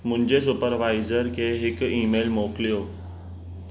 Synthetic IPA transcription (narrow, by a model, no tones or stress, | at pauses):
m̤ũɲd͡ʑes̬upəɾʋajzəɾkeɦɪkiːmelmokljo